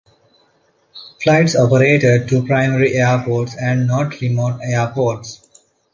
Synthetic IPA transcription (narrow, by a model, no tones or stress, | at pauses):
flaɪʈsɔːpəɾeːʈeɖ̚ʈupɾaɪməɾiʔeəɾpoːʈsɛ̃ɳɖnɔːʈɾimoːʈeəpoːʈs